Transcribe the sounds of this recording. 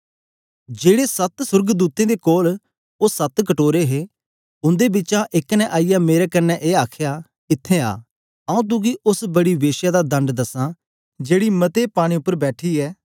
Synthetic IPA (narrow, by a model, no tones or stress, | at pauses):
d͡ʒeːɽeːsət̪sʊɾɡd̪uːt̪ẽːd̪ekoːl | oːsət̪kəʈoːɾeɦeː | ʊ̃nd̪eːbɪt͡ʃaʔɪknɛ̃ʔaːijameːɾeːkənːɛʔeːaːkʰjaː | ɪt̪ʰːẽːa̰ː | əːũːt̪̬ʊ̃k̬iʔʊsbəɽiːʋeːʃjad̪ad̪ə̃ɳɖd̪əsãː | d͡ʒeːɽiːmət̪epaːɽ̃ĩʊpːəɾbɛːʈʰiːɛː